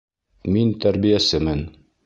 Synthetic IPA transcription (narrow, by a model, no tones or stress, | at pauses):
mint̪æɾbijæsɘmɘn